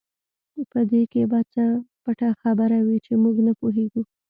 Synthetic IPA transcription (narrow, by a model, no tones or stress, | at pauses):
pəd̪ekebɑt͡səpaʈaxabəɾawit͡ʃemuɡnapoɦeɡu